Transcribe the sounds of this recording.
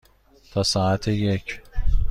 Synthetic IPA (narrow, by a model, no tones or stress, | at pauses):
t̪ʰɒsɑːat̪ʰejecʰ